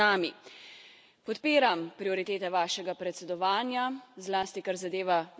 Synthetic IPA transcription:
aːmi | pɔt̪piːɾampɾiɔɾit̪eːt̪ɛʋaːʃɛɡapɾɛt̪sɛd̪ɔʋaːnjazlaːst̪ikaɾzad̪eːʋa

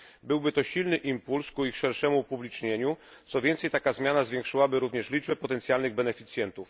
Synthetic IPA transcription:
bɘwbɘt̪ɔɕilnɘʔimpulskuixʂɛɾʂɛmupublʲit͡ʂɲeɲu | t̪sɔvʲjɛnt̪sɛjt̪akazmʲjanazvʲjɛŋkʂɘwabɘɾuvɲɛʂlʲid͡ʐbɛpɔt̪ɛnt̪sʲjalnɘɣbɛnɛfʲit̪sʲjɛnt̪uf

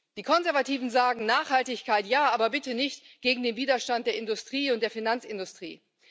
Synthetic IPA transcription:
d̥iːkʰɔnzɛɐvatiːvn̩zaːɡŋ̩naːχhaltɪçkaɪtjaːaːbɐbɪtənɪçtɡ̥eːɡŋ̩deːnviːdɐʃtant̚d̥eːɐɪndʊstʁ̥iːʊnt̚d̥eːɐfinant͡sɪndʊstʁ̥ḭː

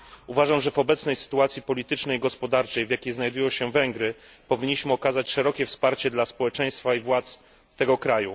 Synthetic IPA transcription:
uvaʐamʐɛvɔbɛt̪snɛjsɘ̥t̪uat̪sʲjipɔlʲit̪ɘt͡ʂnɛjɡɔspɔd̪aɾt͡ʂɛjvʲjakʲejznajd̪ujɔ̃w̃ɕɛvɛŋɡɾɘ | pɔvʲiɲːiɕmɘɔkazat͡ɕʂɛɾɔkʲɛfspaɾt͡ɕɛd̪laspɔwɛt͡ʂɛj̃st̪faivwat̪s | t̪ɛɡɔkɾaju

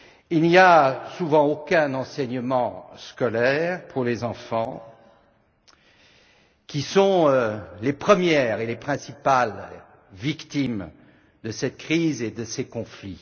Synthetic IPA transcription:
ilniasuvɑ̃okɛ̃nɑ̃sɛɲəmɑ̃skɔlɛʁpʰuʁlezɑ̃fɑ̃ | kʲisɔ̃ølepχəmjɛʁelepχɛ̃sipal | vikt̪im | d̪əsɛt̪̚kχized̪əsekɔ̃fli

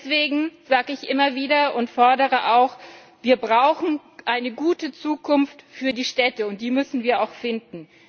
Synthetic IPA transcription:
ɛsv̥eːɡŋ̩z̥aːɡəɪçʔɪmɐviːdɐʔʊntfɔɐdəʁəʔaʊx | v̥iːɐbʁaʊxn̩ | ʔaɪnəɡuːtət͡suːkʰʊnftfyːɐdiːʃtɛtəʊnt̚d̥iːmʏsn̩viːɐaʊxfɪndn̩

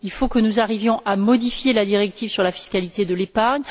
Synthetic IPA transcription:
ilfokənuzaʁivjɔ̃ʔamɔd̪ifjelad̪iʁɛk̚t̪iv̥syʁlafi̥skʲalit̪ed̪əlepaʁɲ

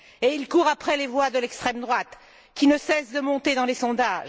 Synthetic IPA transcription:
eilkuʁapχɛlevwad̪əlɛkst̪χɛmd̪ʁwat̪ | kʲinəsɛsd̪əmɔ̃t̪ed̪ɑ̃lesɔ̃d̪aːʒ

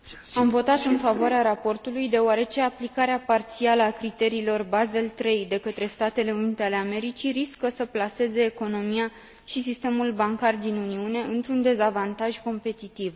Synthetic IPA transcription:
amvo̞t̪at̪ɨnfavoaɾeaɾapo̞rt̪ulujd̪e̞oaɾe̞t͡ʃe̞aplikaɾeapart̪sialəakɾit̪e̞ɾiːlo̞rbaze̞lt̪ɾe̞jd̪e̞kət̪ɾe̞st̪at̪e̞le̞unit̪e̞ale̞ame̞ɾit͡ʃiɾiskəsəplase̞ze̞ːko̞no̞mia | ʃisist̪e̞mulbaŋkard̪inuniune̞ʔɨnt̪ɾund̪e̞zavant̪aʒko̞mpe̞t̪it̪iv

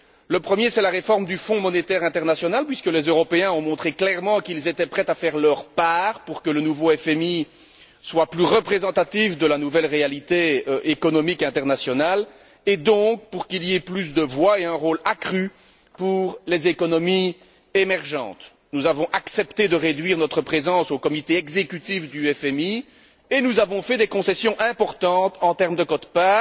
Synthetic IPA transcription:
ləpχəmjesɛlaʁefɔʁmd̪yfɔ̃mɔnet̪ɛʁɛ̃t̪ɛʁnasjɔnalpɥiskəlezøʁɔpeɛ̃ɔ̃mɔ̃t̪χeklɛʁmɑ̃kilzet̪ɛpχɛt̪afɛʁlœʁpaːʁpuʁkələnuvoɛfɛmi | swaplyʁəpχezɑ̃t̪at̪ivd̪əlanuvɛlʁealit̪eʔekɔnɔmikɛ̃t̪ɛʁnasjɔnal | ed̪ɔ̃k̚puʁkilieplys̬d̪əvwaeɛ̃ʁoːlakχy | puʁlezekɔnɔmi | emɛʁʒɑ̰̃ːt̪ | nuzavɔ̃ʔaksɛpt̪ed̪əʁed̪ɥiːʁnɔt̪χəpχezɑ̃sokɔmit̪eɛɡzekyt̪ifd̪yɛfɛmi | enuzavɔ̃fɛd̪ekɔ̃sɛsjɔ̃ʔɛ̃pɔʁt̪ɑ̃t̪ɑ̃t̪ɛʁmd̪əkɔt̪pa

